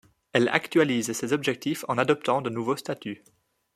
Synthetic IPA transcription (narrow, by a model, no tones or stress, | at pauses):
ɛla̰kt̪ɥalizsezɔbʒɛk̚t̪ifɑ̃nad̪ɔp̚t̪ɑ̃d̪ənuvost̪at̪y